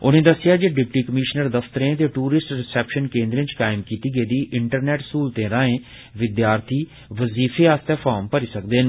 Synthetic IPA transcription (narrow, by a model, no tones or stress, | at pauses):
ʊnẽːd̪əsːɪjaːd͡ʒeːɖɪp̚ʈiːkəmɪʃnəɾd̪əfʰt̪əɾẽːt̪eːʈuːɾɪsʈɾɪsɛːpʃənkẽːnd̪ɾẽːt͡ʃkaːɪmkiːt̪iːɡeːd̪iːʔɪɳʈəɾnɛːʈskuːlt̪ẽːɾãːẽː | ʋɪd̪jaːɾt̪ʰiː | ʋəziːfʰeːaːst̪eːpʰaːɾmpəɾiːsəkd̪eːn